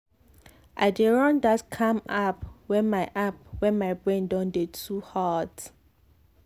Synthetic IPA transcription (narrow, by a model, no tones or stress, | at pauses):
ʔa̰ɪdeɹɔ̃ndatkʰãmapwɛ̃maɪʔap̚wɛ̃nmaɪbɹɛ̃ndɔ̃ndetʰuhad